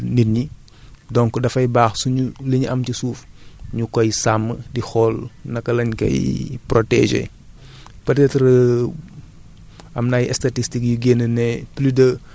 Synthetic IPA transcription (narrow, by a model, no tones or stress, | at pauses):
niɲi | dɔŋkɔdɐfɐjbaːxsuɲuliɲuʔɐmcisuːfɲukɔjsamːədixɔːlnɐkːɐlɐɲkɐ̰jprɔtɛ̰ʒḛ | pɐtɛtɾ | ɐmnaːjɛ̰statistikjuɡenənɛplidɐ